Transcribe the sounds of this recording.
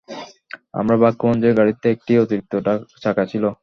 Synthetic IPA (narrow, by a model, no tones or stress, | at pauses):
a̰mɾabakːomond͡ʑeɾɡaɽit̪ːeek̚ʈiot̪iɾit̪ːoʈat͡ɕʰakat͡ɕʰilo